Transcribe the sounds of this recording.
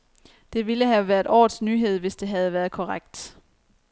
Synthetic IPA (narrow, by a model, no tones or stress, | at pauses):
d̥e̝ʋiləɦæʋæːɐðˠɒ̰̥ːsnyːɦe̝ð̞̰ˠʋe̝sd̥e̝ɦæð̞̩ˠʋæːɐð̞̩ˠkʰɒʁaɡ̥̚d̥